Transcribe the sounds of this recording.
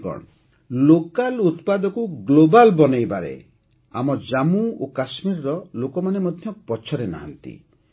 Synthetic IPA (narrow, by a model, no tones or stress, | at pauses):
kɔ̰ɽ̃ | lokalut̪pad̪ɔkuɡlobalbɔnejbaɾḛ | a̰mɔd͡ʒamuokasmiɾɔɾɔlokɔmanemɔd̪ʱjɔpɔt͡ʃʰɔɾena̰ɦant̪ḭ